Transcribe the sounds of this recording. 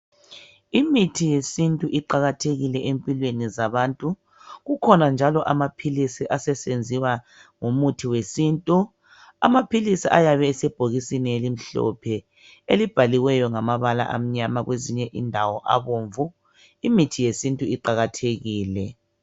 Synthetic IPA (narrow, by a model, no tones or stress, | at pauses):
imitʰijesintʼuʔiǃaɣatʰeɣilɛʔempʼilwenizaβaːntʼu | ɣukʰɔnand͡ʒʱalɔʔamapʰilisiʔasɛsend͡zʱiwa | ŋomutʰiwesintʼu | a̰mapʰilisiʔajaβɛːsɛb̥ʱoɣisinielim̩ɬɔ̰pʰɛ | elib̥ʱaliwɛjɔŋamaβala̰ʔa̰m̩ɲamaɣweziɲɛʔḭndʱawɔʔa̰βoːɱvu | imitʰijesintʼuiǃaɣatʰeɣiːlɛ